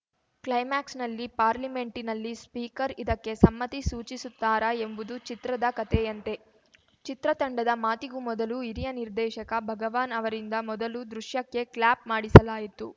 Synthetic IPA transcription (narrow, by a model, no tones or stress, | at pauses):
klɐjmaːksnɐlːipaːɾlime̞ɳʈinɐlːispiːkɐɾid̪ɐkːe̞sɐmːɐt̪isuːt͡ʃisut̪ːaːɾɐembud̪ut͡ʃit̪ɾɐd̪ɐkɐt̪ɛjɐnt̪e̞ | t͡ʃit̪ɾɐt̪ɐɳɖɐd̪ɐmaːt̪iɡumɔd̪ɐluiɾijɐniɾd̪ɛːʃɐkɐbʱɐɡɐʋaːnɐʋɐɾind̪ɐmɔd̪ɐlud̪ɾuʃjɐkːe̞klaːp̚maːɽisɐlaːjit̪u